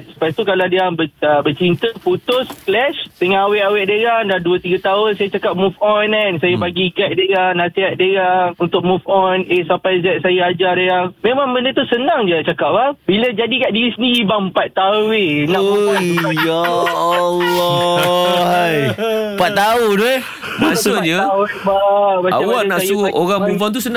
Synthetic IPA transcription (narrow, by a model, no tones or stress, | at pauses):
su̥pajt̪ukaladiaŋbəəbət͡ʃint̪əput̪ʊsklɛʃt̪əŋaːweʔawɛʔ̚dəjaŋdaduət̪iɡat̪aʊnsajat͡ʃakap̚mufɔnɛnsajabaɡikaʔ̚dəjaŋnasiɛʔ̪̚dəjaŋunt̪ʊk̚mufɔnesampajzɛt̪̚sajaad͡ʒarəjaŋmẽmãŋbəndət̪usənãŋd͡ʒat͡ʃakap̚labiləd͡ʒadikaʔdiisniːbaŋpat̪̚ːauenaʔ | ja | lɔ | hajpat̪t̪aude | masʊɲəbabaa̰awanaʔuoɣaŋmufɔnt̪̬usənã